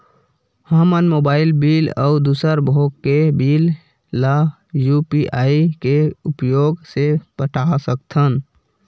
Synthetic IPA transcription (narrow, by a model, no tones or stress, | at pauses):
həmənmoːbaːɪlbiːlə̰ʊd̪usəɾbʱoɡkebiːlː | a | jupiʔaːikeupjoːɡsepəʈʰasək̚t̪ʰən